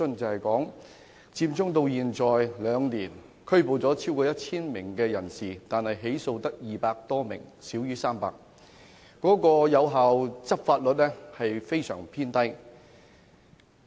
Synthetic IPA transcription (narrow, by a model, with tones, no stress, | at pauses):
ɵ˥nt͡sɐ˨whɐ˨jkɔː˨˥ŋ | t͡siː˧mt͡sʊ˥ŋt̪o˧wjiː˨nt͡sɔː˨˩jlœː˨˧ŋniː˨˩n | kʰɵ˥ɥpo˨˩wt͡sɔː˨˥t͡sʰiː˥wkɔː˧jɐ˥t̚t͡sʰiː˥nmɪ˨˩ŋkɛː˧jɐ˨˩nsiː˨˩t̪aː˨nhɐ˨jɦe˨˥jso˧wt̪ɐ˥k̚jiː˨˩paː˧k̚t̪ɔː˥mɪ̰˨˩ŋsiː˨˥wjyː˥saː˥mpa̰ː˧k̚ː | ɔː˨˥kɔː˧jɐ˨˧wɦaː˨wt͡sɐ˥p̚faː˧t̚lɵ˨t̚lɛ˥hɐ˨jfe˥jsœ̰ː˨˩ŋpʰiː˥nt̪ɐ˥j